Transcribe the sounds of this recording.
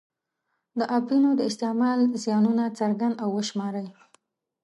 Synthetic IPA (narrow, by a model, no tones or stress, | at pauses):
d̪əʔabinod̪əɪst̪ɪmɑlzjɑnunat͡saɾɡand̪awːəʃmɑɾəj